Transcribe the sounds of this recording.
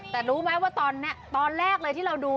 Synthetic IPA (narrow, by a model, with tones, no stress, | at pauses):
t̪ɛː˨˩ɾuː˦˥maː˦˥jwaː˥˩t̪ɔː˧nːi˦˥ɐt̪ɔː˧nɾɛː˥˩k̚lɤː˧jt̪ʰiː˥˩ɾa˧wduː˧